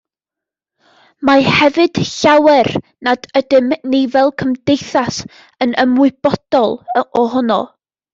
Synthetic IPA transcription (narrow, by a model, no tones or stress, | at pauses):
mahɛvɨd̥ɬawɛr | nad̥ədɪmnevɛlˠkʰəmdejθas | ənəmwʊɨb̥ɔd̥ɔlˠɔɦɔnɔ̰